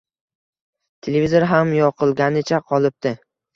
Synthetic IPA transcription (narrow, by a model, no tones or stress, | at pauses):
t̪ʰelevʲizoɾɦamjɒqɨlˠɡʲanɪt͡ʃʰaqʰɒlˠɪp̚t̪ɪ